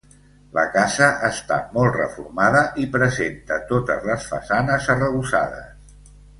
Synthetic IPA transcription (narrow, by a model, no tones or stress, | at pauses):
lə̰kazəʔəst̪a̰mɔlˠt̪rə̰fuɾmaðəʔipɾəzent̪ət̪ot̪əzləsfə̰sanəzərəβusa̰ðə̰s